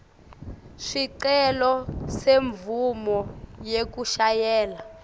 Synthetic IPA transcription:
ʂiǀɛlɔseɱvumɔjek̬uʃajɛːla

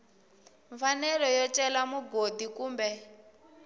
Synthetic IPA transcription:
ɱfanɛɺɔjɔtɛlamuɡod̪ikuːmbɛ

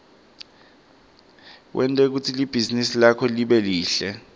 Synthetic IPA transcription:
wʔɛntʼɛk̬utʰilib̥ʱizinisilakʰɔliɓɛliːɬɛ

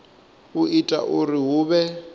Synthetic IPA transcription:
uitʼa̰ʔuriɦuːβɛ

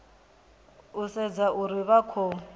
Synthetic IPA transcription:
usɛd͡zaʔuɾiβakʰɔ

